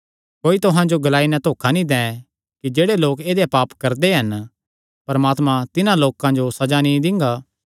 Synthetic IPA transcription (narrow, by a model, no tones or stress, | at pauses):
koːit̪ʊɦãd͡ʒoɡɐlaːinɛ̃t̪oːkʰanĩd̪ɛ̃ː | kid͡ʒeːɽeloːkeːd̪epaːpkɐɾd̪eɦɐn | pɐɾmaːt̪mãt̪ɪnãloːkãd͡ʒosɐd͡ʒanĩd̪ɪ̃ŋɡaː